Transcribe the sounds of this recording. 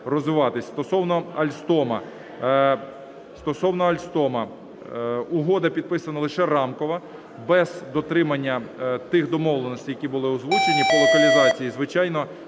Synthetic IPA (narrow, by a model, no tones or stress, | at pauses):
rɔzʋɪʋɑt̪ɪsʲst̪ɔsɔwnɔɐlʲst̪ɔmɐ | st̪ɔsɔwnɔɐlʲst̪ɔmɐ | ʊɦɔd̪ɐpʲid̪̚pɪsɐnɐlˠɪʃɛɾɑmkɔʋɐ | bɛz̥d̪ɔt̪ɾɪmɐnʲːɐt̪ɪxd̪ɔmɔʋlˠenɔsʲtʲijɐkʲibʊlˠɪʊzʋut͡ʃenʲipɔlˠɔk̪ɐlʲizɑt͡sʲijizʋɪt͡ʃɑjnɔ